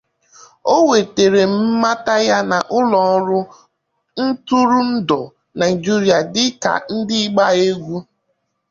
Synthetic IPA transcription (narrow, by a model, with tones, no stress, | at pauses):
o˦we˨te˨ɾe˨m̩˦ma˦ta˦ja˦na˨ʔʊ˦lɔ˨˦ɾʊ˦ | n̩˦tu˦ɾʊ˦n̩˦dɔ˨ | na˨ɪ˨d͡ʒi˦ɾi˨a˨dɪ˦ka̰˨n̩˦dɪ˦ɡ͡ba˦e˦ɡʷu˦